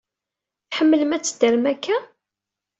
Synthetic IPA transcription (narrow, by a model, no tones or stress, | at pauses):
θħəmːələmæt͡sːəd̪əɾmækːæ